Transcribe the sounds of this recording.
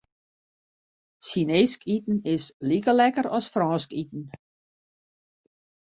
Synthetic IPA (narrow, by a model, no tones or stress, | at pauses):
sineːskʰitn̩ɪslikəlɛkəɾɔsfrɔːskit̪̚n̩